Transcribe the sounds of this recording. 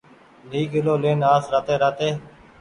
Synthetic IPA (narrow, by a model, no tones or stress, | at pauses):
niːɡɪloːleːnaːsɾaːt̪eːɾaːt̪eː